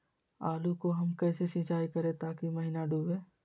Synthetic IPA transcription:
aːlukoɦɐmkɛːsesɪ̃t͡ʃaːikɐɾẽt̪aːkimɐɦiːnaɖʱuːbeː

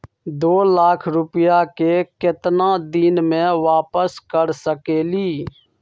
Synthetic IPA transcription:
d̪oːlaːkʰɾʊpjakekɪt̪nãd̪iːnmẽʋaːpəskəɾsəkeːliː

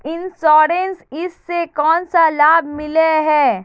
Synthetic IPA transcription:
ɪ̃nsɔːɾensɪsːekɔːnsalaːb̚ʱmɪleɦɛː

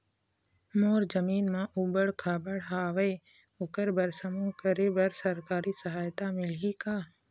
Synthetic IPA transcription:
moːɾd͡ʒəmiːnmãʔubəɽkʰaːbəɽɦaːʋe | ʊkəɾbəɾsəmũkəɾebəɾsəɾkaːɾisəɦaːjt̪amɪlɦikaː

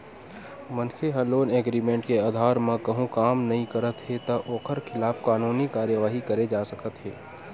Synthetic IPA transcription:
mɐnkʰeɦɐːloːneːɡɾiːmẽːɳʈkeaːd̪ʱaːɾmɐ̃kɐɦũkaːmnɐɦĩkɐɾət̪ɦet̪ɐʔoːkʰəɾkʰɪlaːfkaːnuːnikaːɾjəʋaːɦikɐɾed͡ʒaːsɐkət̪ɦɛː

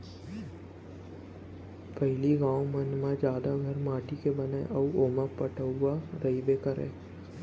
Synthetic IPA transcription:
pəɦɪliɡãːwmɐnmad͡ʒjaːd̪aɡʱɐɾmaːʈikebɐnaḛʔɐuoːmãpəʈʰəaɾəibeːkəɾḛ̃ː

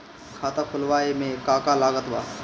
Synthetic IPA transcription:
kʰaːt̪akʰʊlʋaːemẽkaːkalaːɡət̪ʋa̰ː

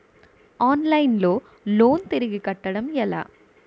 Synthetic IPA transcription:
aːnlɐɪnloː | loːnt̪ɛɾɪɣikɐʈːɐɽɐmjɐla̰ː

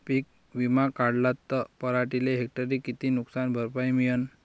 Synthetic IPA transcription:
pik̚ | ʋimakaɽlat̪ːəpəɾaʈileɦek̚ʈəɾikit̪inuksanbʱəɾpajmijən

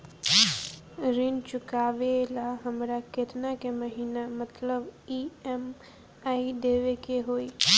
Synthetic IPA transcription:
ɾint͡ʃʊkaʋelaɦəmɾaket̪nakeməɦiːnamət̪ləbiem | aiɖeʋekeɦoːiː

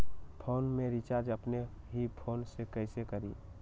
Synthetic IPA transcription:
pʰoːnmẽɾit͡ʃaːɾd͡ʒəpne | ɦipʰoːnsekəɪsekəɾiː

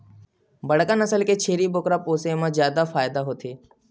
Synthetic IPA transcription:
bəɽkənəsəlket͡ʃʰeːɾibʊkɾəpoːsemãzjaːd̪afaːjd̪aɦoːt̪ʰiː

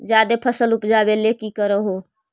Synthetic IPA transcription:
d͡ʒjad̪epʰəsəlʊpd͡ʒabelekikəɾəɦo

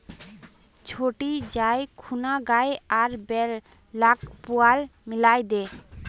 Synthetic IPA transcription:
t͡ʃʰoʈid͡ʒajkʰunaɡajaɾbɛ | lakpualmilajd̪e

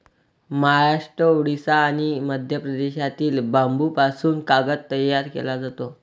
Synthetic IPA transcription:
məɦaɾaʂʈɾəoɽisaːɽ̃iməd̪ʱjəpɾəd̪eɕat̪iːlbambupasuːnkaɡət̪ːəjaɾkḛlad͡zat̪o

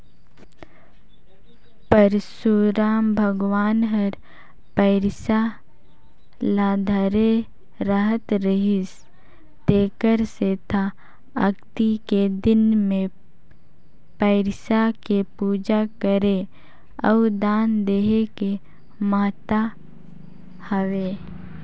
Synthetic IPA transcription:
pəɾsuɾaːmbʱəɡwaːnɦəɾ | pəɪɾsa | lad̪ʱəɾe | ɾəɦət̪ɾəɦɪs | t̪eːkəɾset̪ʰa | ə̰ɡt̪iked̪ɪnmẽ | pəɪɾsakepuːd͡ʒakəɾe | əud̪aːnd̪eɦeke | maːt̪a | həʋeː

